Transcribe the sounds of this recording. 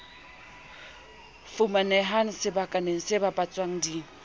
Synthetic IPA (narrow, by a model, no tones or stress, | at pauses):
fʊmanɛɦaŋ̩sɪbakʼaneŋ̩sɪbapʼat͡sʼwaŋ̩di